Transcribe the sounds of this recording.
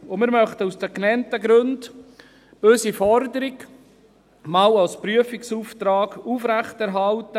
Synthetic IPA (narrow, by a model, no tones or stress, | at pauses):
omɪːɾmœχt̪əusd̥̪ɛknɛntəɡɾønd | b̥øːsifɔɾdəɾɪk | mɑwalspɾyəfiksuːft̪ɾɑːɡufɾæχtɛɾɦɑltə